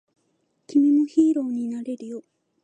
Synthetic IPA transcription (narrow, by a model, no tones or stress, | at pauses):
kʲimʲimoçiːɾo̞ːɲ̟inaɾe̞ɾɯ̟jo